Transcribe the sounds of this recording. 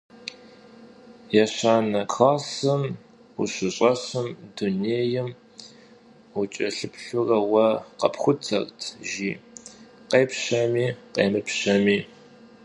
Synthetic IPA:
jɛɕaːnɐkʰaːsɨm | uɕɪɕʼɐɕɨmduneːjɪm | ʊt͡ʃʼɐɬɨpɬʊrɐwɐqɐ̰pxʷʊtʰɐ̰rtʰʒiː | qeːpɕɐmiːqeːmɨpɕɐmiː

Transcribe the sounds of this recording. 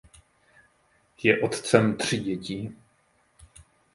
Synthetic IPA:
jɛʔot̪t͡sɛmt̪r̝̥iɟɛciː

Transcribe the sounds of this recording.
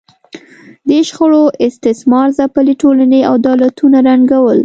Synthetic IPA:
d̪eʃxəɽoʔɪst̪ɪsmɑɾzapəleʈolaneawd̪ɑlat̪unaɾaŋɡawəl

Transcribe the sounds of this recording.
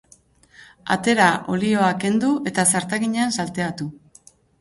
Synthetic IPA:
a̰t̪e̞ɾaʔo̞lio̞ake̞nd̪uʔe̞t̪asaɾt̪aɣiɲeansalt̪e̞at̪u

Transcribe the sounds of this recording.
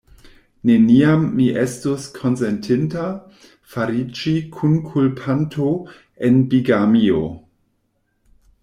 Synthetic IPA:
neniamːiʔestoskʰonsentʰinta | faɾid͡ʒikʰunkʰulpʰantʰo | enbiɡamio̰

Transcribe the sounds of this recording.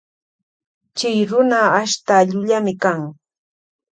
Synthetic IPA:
t͡ʃɪjɾʊnaːʃt̪aʎʊʎamɪkaŋ

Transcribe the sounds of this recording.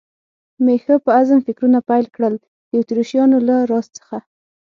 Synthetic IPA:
mexəpəazəmfɪkɾunapajlkɽəl | d̪̥ət̪ɾoʃijɑnolaɾɑst͡sə̥xa

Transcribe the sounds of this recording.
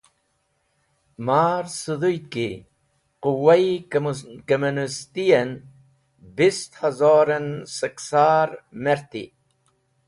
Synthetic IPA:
maːɾsud̪ujki | quwai | kɐmunist̪ien | bist̪hɐzoːɾensəksaːɾmeɾt̪ḭ

